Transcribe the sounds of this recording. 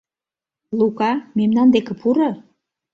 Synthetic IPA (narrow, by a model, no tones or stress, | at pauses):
lukɑmemnɑnd̪ekĕpʰuɾo